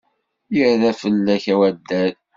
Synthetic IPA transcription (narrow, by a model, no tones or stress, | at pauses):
jəɾðæfəlːæçæwæd̪ːæl